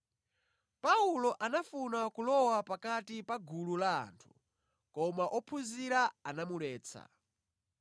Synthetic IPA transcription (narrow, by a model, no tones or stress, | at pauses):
paulɔʔanafunakulɔwapakatipaɡʱulula̰ːntʰu̥ | kɔmaʔɔpʰuziɾaanamulɛːt͡sʰa̰